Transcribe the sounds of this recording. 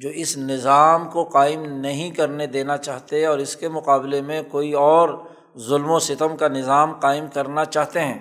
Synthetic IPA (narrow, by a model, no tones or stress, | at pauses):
d͡ʒoːɪsnɪzaːmkoqaːɪmnɐɦĩkɐɾned̪eːnat͡ʃaːɦt̪eɛ̃ɔːɾɪskemʊqaːblemẽkoːiɔːɾ | zʊlmosɪt̪əmkanɪzaːmqaːɪmkɐɾnat͡ʃaːɦt̪eɦɛ̃ː